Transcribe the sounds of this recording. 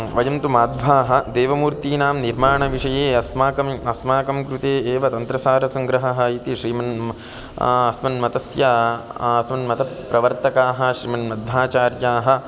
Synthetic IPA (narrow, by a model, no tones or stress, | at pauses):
ʋɐjɐmt̪umaːd̪bʱaːɦɐ̆d̪eːʋɐmuːɾt̪iːnaːmniɾmaːɳɐʋiʂɐjeːɐsmaːkɐmɐsmaːkɐmkɾut̪eːeːʋɐt̪ɐnt̪ɾɐsaːɾɐsɐŋɡɾɐɦɐɦɐ̆it̪iʃɾiːmɐn | ɐsmɐnmɐt̪ɐsjaɐsmɐnmɐt̪ʰɐpɾɐʋɐɾt̪ɐkaːɦɐ̆ʃɾiːmɐnmɐd̪̚bʱaːt͡ʃaːɾjaːɦɐ̆